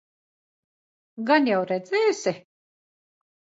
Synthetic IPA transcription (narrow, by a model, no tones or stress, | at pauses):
ɡanjawɾɛd̪zɛːjsʲɪ